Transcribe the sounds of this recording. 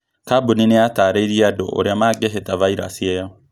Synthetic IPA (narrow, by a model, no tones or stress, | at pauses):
kabunineataɾeiɾiado̰ʔo̰ɾeamaɡeɦetavaiɾa̰siɛja